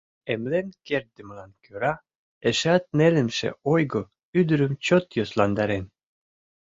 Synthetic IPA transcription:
emlenkeɾd̪ɘ̆mlɑnkøɾɑ | eʃɑt̪̚nelɘ̆mʃḛojɡo | yd̪yɾɘ̆mt͡ɕot̪joslɑnd̪ɑɾen

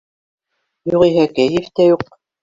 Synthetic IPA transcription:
juʁiɦækæjɘft̪æjuq̚

